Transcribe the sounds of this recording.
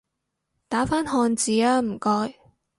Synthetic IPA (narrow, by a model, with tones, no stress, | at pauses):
t̪aː˨˥faː˥nɦɔː˧nt͡siː˨˥aː˧˥m̩˨˩kɔː˧j